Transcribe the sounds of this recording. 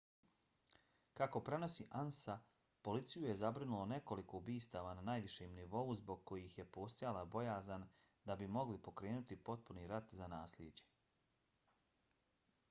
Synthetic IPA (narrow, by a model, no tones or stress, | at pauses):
kako̞pɾe̞no̞siʔansa | po̞lit̪sijuje̞zabɾinulˠone̞ko̞liko̞ubiːst̪aʋananaːjʋiʃemniʋo̞uzbo̞ɡ̚ko̞jixje̞po̞ːst̪ajalabo̞jaːzan | d̪abimo̞ɡlipo̞kɾe̞ːnut̪ipo̞t̪̚puniɾat̪zanaːslʲjed͡ʑe̞̥